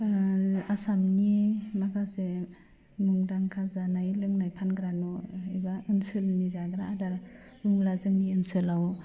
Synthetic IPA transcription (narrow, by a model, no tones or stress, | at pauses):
asamnimaɡase | muŋdaŋkʰazanajlɯŋnajpʰanɡɾanɔibaɯnsɯlnizaɡɾaːdaɾ | uŋlazɯŋniɯnsɯlaw